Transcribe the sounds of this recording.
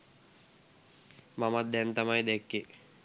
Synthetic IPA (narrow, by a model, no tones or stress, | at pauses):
mamat̪̚d̪ɛnt̪amajd̪ɛkːe